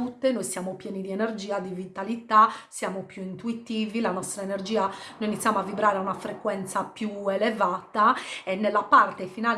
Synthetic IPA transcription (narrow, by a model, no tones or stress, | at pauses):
ut̪ːenojsjamopjɛːnid̪iɛnerd͡ʒiːad̪ivit̪alit̪asjaːmopjuint̪uit̪iːvilanɔst̪ɾaenerd͡ʒiːanojinit̪sjamoavːibɾaːɾeaunafɾekwɛnt̪sapjuɛlɛvaːt̪aɛnːelːapart̪efinaːl